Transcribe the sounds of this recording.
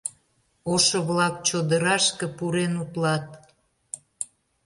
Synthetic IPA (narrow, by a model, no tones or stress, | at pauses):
oʃoβlɑk̚t͡ɕod̪əɾɑʃkə̆puɾenut̪lɑt̪̚